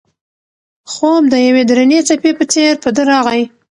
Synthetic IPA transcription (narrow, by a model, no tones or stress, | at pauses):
xomd̪əjawed̪ɾanet͡sapepət͡seɾpəd̪əɾɑɣaj